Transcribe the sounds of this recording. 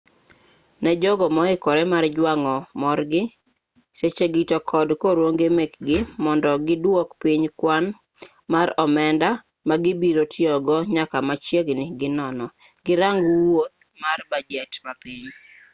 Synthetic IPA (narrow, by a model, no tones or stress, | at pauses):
nɛd͡ʒɔɡɔmɔɪkɔɾɛmard͡ʒwaŋɔmɔrɡɪ | set͡ʃeɡitɔkʰɔdkoɾwoŋɡemekɡɪmɔndɔɡɪdwokpiɲkwan | maɾɔmɛnda | maɡɪbiɾotʰjɔɡɔɲakamat͡ʃjeɡnɪɡɪnɔnɔ | ɡ̥ɪɾaŋɡwot̪̚marbad͡ʒɛtmapiɲ